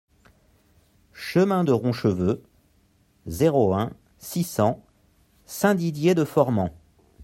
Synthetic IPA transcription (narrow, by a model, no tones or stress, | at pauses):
ʃəmɛ̃d̪əʁɔ̃ʃəvø | zeʁoɛ̃ | sisɑ̃ | sɛ̃d̪id̪jed̪əfɔʁmɑ̃